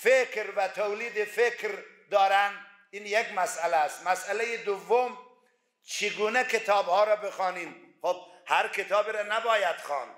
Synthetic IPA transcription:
fekɾvæt̪ʰowliːd̪efekɾ | d̪ɒːɾænd̪ | iːnjekmæsʔælæst̪mæsʔælejed̪ovːom | t͡ʃʰeɡuːnɛkʰet̪ʰɒːbhɒːɾɒːbexɑːniːmxob̚hæɾkʰet̪ʰɒːbiɾɔnæbɒːjæd̪̥xɑ̰ːn

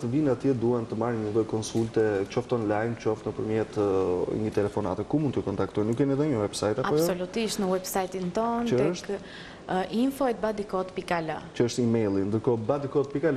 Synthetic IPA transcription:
t̪əvinat̪jɛd̪uɛnt̪əmaɾɲəðɔkɔnsult̪ɛt͡ʃɔft̪ɔnlajmt͡ʃɔft̪nəpəɾmjɛt̪ə̰ɲət̪ɛlɛfɔna̰t̪ɛkumund̪ɔkɔnt̪ak̚t̪ɔjnukɛniðɛɲəwɛbsajt̪aaɔsɔlut̪iʃt̪nəwɛbsajt̪int̪ɔnəd̪ɛəʃk | ʔinfɔɛt̪̚bad̪ikɔt̪pikalə̰t͡ʃəəʃt̪imɛjlˠind̪əɾkɔbad̪ikɔt̪̚pikal

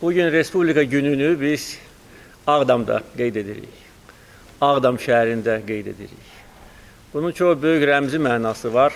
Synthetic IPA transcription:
b̥uɟynɾe̞spublʲikɑɟynynybiz̥ | ɑɣd̪ɑmd̪ɑ̰ɡe̞jd̪e̞d̪ḭɾḭç | ɑɣd̪ɑmʃææɾind̪æɡe̞jd̪e̞̰d̪ḭɾḭç | b̥ununt͡ʃʰo̞xbø̞jycɾæmzimæːnɑːsɯvɑɾ

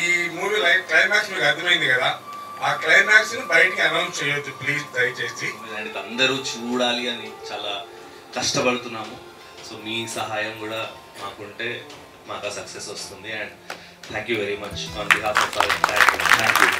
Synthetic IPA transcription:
iːmuːʋiːlɐjklɐjmaːksmiːkuɐd̪ɐmɐjind̪ikɐd̪aː | aːklɐjmaːksnibɐjʈikiɐnɐwst͡ʃɛjɐt̪ːupliːd͡ʒd̪ɐjt͡ʃeːsiɐɳɖid̪ɐnd̪ɐɾuːt͡ʃuːɽaːliɐnit͡ʃaːlaː | kɐʂʈɐpɐɽut̪unːaːmu | so̞ːmiːsɐɦaːjɐmkuːɽaː | aːkuɳʈe̞ː | maːkɐsɐkse̞sost̪und̪iɛɳɖ | t̪ʰæːŋkjuːʋeɾimɐt͡ʃɐɾt̪iɦaːsɐsa̰ːɾɐt̪ʰaːkut̪ʰaːŋkju

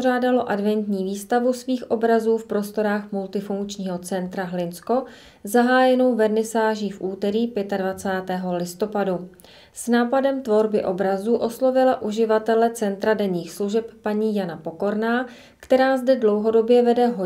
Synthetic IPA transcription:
raːdalo̞ʔadvɛnt̪ɲiːviːst̪avusviːxʔo̞bɾazuːfpɾo̞st̪o̞ɾaːxmult̪ɪfuŋkt͡ʃɲiːɦo̞t͡sɛnt̪ɾaɦlɪnsko̞ | zaɦaːjɛno̞wvɛɾnɪsaːʒiːfʔuːt̪ɛɾiːpjɛt̪advat͡saːt̪ɛːɦo̞lɪst̪o̞padu | snaːpadɛmt̪vo̞ɾbɪʔo̞bɾazuːʔo̞slo̞vɪlaʔuʒɪvat̪ɛlɛt͡sɛnt̪ɾadɛɲiːxsluʒɛpːaɲiːjanapo̞ko̞ɾnaː | kt̪ɛɾaːzdɛdlo̞wɦo̞do̞bjɛvɛdɛɦo

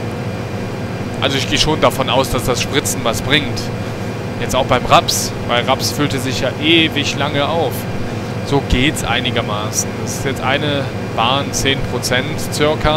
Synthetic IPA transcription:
ʔa̰lzoɪçɡ̥eːəʃoːndafɔnʔaʊsd̥asd̥asʃpʁ̥ɪt͡sn̩vasb̥ʁɪŋt | jɛt͡staʊxb̥aɪmʁaps | v̥aɪlʁapsfʏltəzɪçjaːʔeːvɪçlaŋəʔaʊf | z̥oːɡeːtsʔa̰ɪnɪɡɐmaːsn̩d̥asɪ̥stjɛt͡stʔa̰ɪnə | b̥aːnt͡seːnpʁ̥ot͡sɛntt͡sʏɐkʰɐ

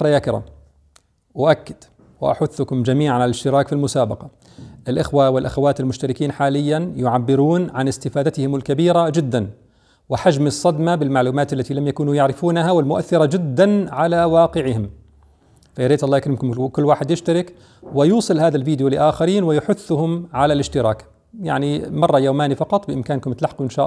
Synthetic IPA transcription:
ɾˤɑjaːkɪɾa̰ːm | wʔakːɪd̪̥ | wɪ̰ʔa̰ħʊθːʊkʊmd͡ʒamiːʕanɪlɪʃt̪ɪɾɑːkfilmʊsaːbɑqɑ | ʔɪlʔɪxwawɪlʔaxawaːt̪ɪlmʊʃt̪aɾɪkiːnħaːlɪjːanjʊʕabːɪɾuːnʕanɪst̪ɪfaːd̪at̪ɪhɪmɪlkabiːɾad͡ʒɪd̪ːan | wɪħad͡ʒmɨsˤːɑd̪mabɪlmaʕluːmaːt̪alːat̪ilamjakuːnujaʕɾɪfuːnaɦawɪlmʊʔa̰θːɪɾˤɑd͡ʒɪd̪ːanʕalawɑːqɪʕɪhɪm | fajɪɾeːt̪ʔɑlːʔakɾɪmkʊmkʊlːwaːħɪd̪jɪʃt̪aɾɪk | wɪjuːsˤɨlhaːðalviːd̪julɪʔaːxaɾiːnwɪjʊħʊθːʊhʊmʕalalɪʃt̪ɪɾɑːk | ja̰ʕnimɑrˤːɑjoːmaːnifɑqɑt̪ˤbɪʔɪmkaːnkʊmt̪laħquʔɪnʃaːʔ

